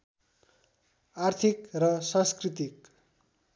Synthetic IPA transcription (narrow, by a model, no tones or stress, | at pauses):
art̪ʰikrʌsʌ̃nskrit̪ik